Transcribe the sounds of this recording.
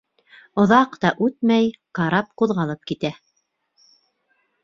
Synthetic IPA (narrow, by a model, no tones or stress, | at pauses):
ŏðɑqt̪ɑʔʉt̪mæjkɑɾɑp̚quðʁɑlˠɤp̚kit̪æ